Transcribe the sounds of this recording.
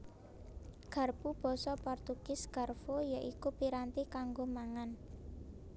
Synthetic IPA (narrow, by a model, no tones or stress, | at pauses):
ɡ̥ä̤rpub̥ɔ̤sɔpɔrt̪uɡ̥ɪsɡ̥a̤rfojaʔikupiɾant̪ikaŋɡomaŋan